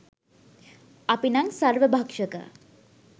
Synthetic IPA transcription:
apinaŋsarʋəbʱakʂəkə̰

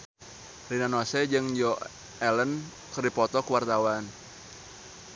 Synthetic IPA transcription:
rinanɔsɛd͡ʒɨŋjɔ | ɛlən | kərdipɔt̪ɔkuwart̪awan

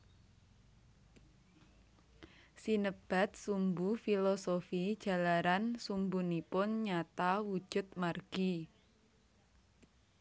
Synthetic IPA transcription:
sinəb̥a̤t̪̚sumbufilosofid̥ʒ̥a̤laɾansumbunipʊnɲat̪awu̥ʒ̥ʊ̤t̪̚marɡ̥i

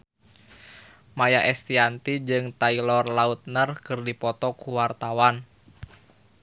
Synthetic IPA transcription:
majaʔɛst̪iant̪id͡ʒɨŋt̪ailɔrlaut̪̚nərkɨrdipɔt̪ɔkuwart̪awan

